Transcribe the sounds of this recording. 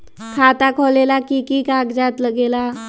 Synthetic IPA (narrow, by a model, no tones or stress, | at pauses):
kʰat̪akʰolelakikikaɡd͡ʑat̪ləɡela